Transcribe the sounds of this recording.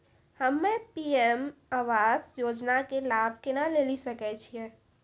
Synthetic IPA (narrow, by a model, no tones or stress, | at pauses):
həmːepiemaːʋaːzjoːd͡ʒnakelaːbʱkenaleːlisəkɛt͡ʃʰie